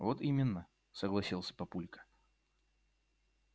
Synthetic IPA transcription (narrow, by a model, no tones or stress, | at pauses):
vot̪imʲɪnːə | səɡlˠɐsʲilˠsʲə̥pɐpulʲkə̥